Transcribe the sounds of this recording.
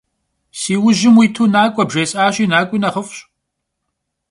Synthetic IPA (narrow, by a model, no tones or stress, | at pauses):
siːwʊʑɪmwiːtʰuːnaːkʷʼɔbʒeːsʼaːɕʼiːnaːkʷʼinɐχəfɕ